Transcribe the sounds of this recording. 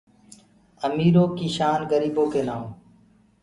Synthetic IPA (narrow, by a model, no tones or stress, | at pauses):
əmiːɾoːkiːʃaːnɡəɾiːboːkeːnaːõː